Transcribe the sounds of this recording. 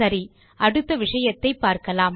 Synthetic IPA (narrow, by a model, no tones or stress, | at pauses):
ɐɾi | ʔɐɽɯt̪ːɐʋɪʂɐjɐt̪ːɐɪpːaːɾkɐlaːm